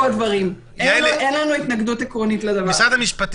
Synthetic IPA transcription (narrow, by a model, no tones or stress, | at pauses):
ad̪vaʁim | eʔenlanuit̪naɡd̪ut̪ekʁonit̪led̪ɐvat͡sad̪amiʃpat̪